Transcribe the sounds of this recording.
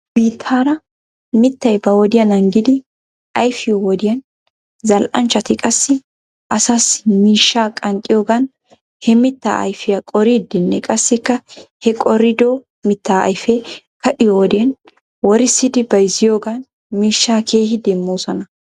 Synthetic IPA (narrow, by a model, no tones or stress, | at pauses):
b̥iːt̪ʰːaːɾɐ | mɪt̪ːɐjbɐwɔd̪ɪjɐnɐŋɡɪd̪ɪ | ʔɐjfɪjɔwɔd̪ɪjɐn | zɐlʔɐnt͡ʃːɐt̪ɪkʼɐsːɪ | ʔɐsaːsɪmiːʃːaːkʼɐŋkʼːɪjoːɡɐn | hɛmɪt̪ːa̰ːʔɐ̰jfɪjɐkʼɔɾiːd̪ɪnːɛkʼɐsːɪkːɐhɛkʼɔɾɪd̪oː | mɪt̪ːaːɐ̰jfɛ | kɐʔɪjowɔd̪ɪjɐn | wɔɾɪsːɪd̪ɪbɐjɪzɪjoːɡɐn | miːʃːaːkʰeːɦɪd̪ɛmːoːsɔnɐ